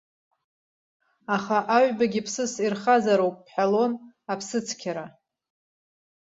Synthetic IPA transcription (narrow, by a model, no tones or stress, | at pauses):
aχaʔaʕʷbaɡʲipʰsɨsirχazaɾowpʼːħalo̞napʰsɨt͡sʰkʲʰaɾa